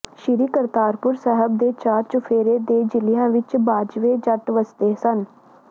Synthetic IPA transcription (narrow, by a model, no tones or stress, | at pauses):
ʃɪɾiːkəɾt̪aːɾpʊɾsɛɦəbd̪eːt͡ʃaːɾt͡ʃʊfʰeːɾeːd̪eːd͡ʒɪlɪjãːʋɪt͡ʃbaːd͡ʒʋeːd͡ʒəʈʋəst̪eːsən